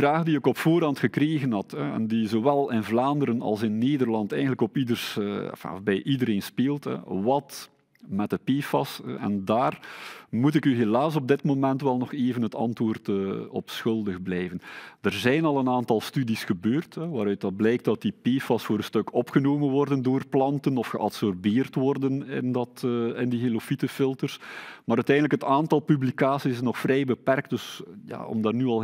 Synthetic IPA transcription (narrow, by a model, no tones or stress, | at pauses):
əvraːɣdiɪkɔpfoːɾɑntxəkɾeːɣənɦɑtɦɛɛ̰ndizowɛlˠɪnvlaːndəɾənɑ̰lˠsɪnːeːdərlɑntɛ̰jɣəndələkɔpidərsfa̰bɛjʔidəɾeːnspeːlˠtɛ̰ʋɑt | mɛtdəpeːfɑsɛ̰ndaːrmutɪkyɦelaːs̬ɔb̚dɪtmomɛntʋɛlˠnɔxeːvənɦətɑ̰ntwoːrtəɔpsxɵlˠdəɣblɛjvəndərzɛjnɑlˠənaːntɑlˠstydisxəbøːrtɦɛʋaːɾœɥt̚dɑt̚blɛjk̚td̥ɑtipeːfɑsfoːɾənstɵkɔpxənoːmənʋɔrdəndoːrplɑntənɔfxəʔɑtsɔrbeːrtʋɔrdənɪ̰ndɑtːɪndiɦelofitəfɪlˠtərsmaːɾœtɛjndələkɦətaːntɑlˠpyblikaːsissnɔxfrɛjbəpɛrk̚t̚d̥ɵsja̰ːɔ̰mdaːrnyɑlˠ